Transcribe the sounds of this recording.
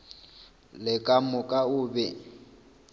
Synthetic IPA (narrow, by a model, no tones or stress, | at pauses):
lɪkʼamʊkʼaʊːbɛ